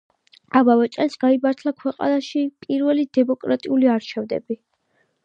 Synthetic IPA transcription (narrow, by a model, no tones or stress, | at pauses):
abavɛt͡ʃʼɛlsɡ̥aibaɾt̪ʰlˠakʰwɛqʼa̰naʃipʼiɾvɛlid̪ɛmɔkʼɾat̪ʼiuliaɾt͡ʃʰɛvd̪ɛ̰bi